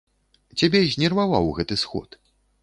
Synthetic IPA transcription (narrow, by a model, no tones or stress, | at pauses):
t͡sʲabʲɛzʲnʲɛrvava̰wɣɛt̪ɨsxɔ̰t̪